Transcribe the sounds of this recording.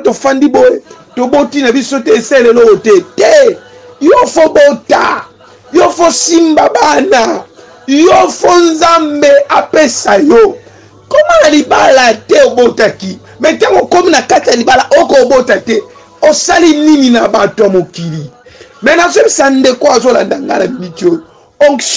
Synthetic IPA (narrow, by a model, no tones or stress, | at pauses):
tofandiboe | tobotinabisotɛeselelootɛtɛjofobota̰ | jofosimbabana | jofonzambeapesajo | komanalibalatɛobotaki | mɛtaŋɡokominakatijalibalaʔokobotatɛ | osalinininabatoamokili | mɛnazobisandekoazola̰ndaŋɡa̰namibitio | ɔŋ